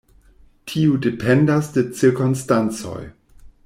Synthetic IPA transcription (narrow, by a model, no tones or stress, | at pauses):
tʰiudepʰendasdet͡siɾkonstant͡so̞̰j